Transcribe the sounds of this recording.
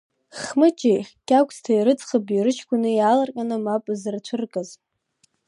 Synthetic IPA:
χmɨt͡ʃʼikʲʼakʷʰstʰaiɾɨt͡sχabiɾɨt͡ʃʰkʷʰʊnɨjalarkʲʼanɨmapʼzɨrt͡ɕʷʰɨrkʼaz

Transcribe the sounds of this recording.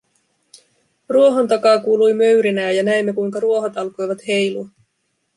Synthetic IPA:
ruo̞ɦo̞nt̪ɑkɑːkuːlujmø̞ɥɾinæːjɑnæemːe̞kujŋkɑɾuo̞ɦot̪ɑlko̞jʋɑt̪he̞jluɑ

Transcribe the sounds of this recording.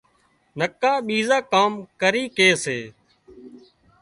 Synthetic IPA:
nəkaːɓiːzãːkaːmkəɾiːkeːseː

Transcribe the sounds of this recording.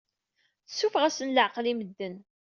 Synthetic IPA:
θəsːufʁæsənləʕqliməd̪ːən

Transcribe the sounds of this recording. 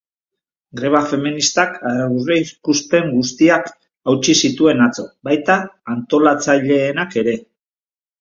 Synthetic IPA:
ɡɾe̞βafe̞minist̪akaaβuβeikuspe̞ŋɡust̪iak | awt͡ʃisit̪ue̞nat͡so̞bajt̪aːnt̪o̞lat͡saʎe̞ːnake̞ɾe̞

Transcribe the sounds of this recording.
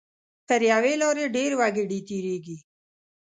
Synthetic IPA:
kɐɾjaːweːloːɾeɖeːɾwaːɡeɖiːt̪iːɾeːɡi

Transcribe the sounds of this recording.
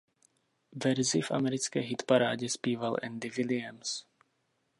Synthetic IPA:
vɛɾzɪfʔa̰mɛɾɪt͡skɛːɦɪt̪paɾaːɟɛspiːvalʔɛ̰nd̪ɪvɪlɪɛns

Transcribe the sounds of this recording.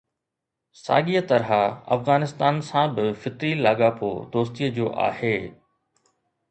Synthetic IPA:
sa̰ːɠiət̪ɐɾɦaɐ̰fɣaːnɪst̪aːnsãbɪfɪt̪ɾilaːɠapo̰ːd̪oːst̪iəd͡ʑoːʔa̰ːheː

